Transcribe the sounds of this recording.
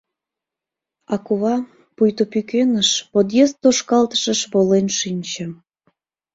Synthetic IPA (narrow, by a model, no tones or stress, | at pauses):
ɑkuβɑ | pujt̪opykenəʃpod̪jezt̪ːoʃkɑlt̪ə̥ʃəʃβolenʃinʲt͡ɕə̆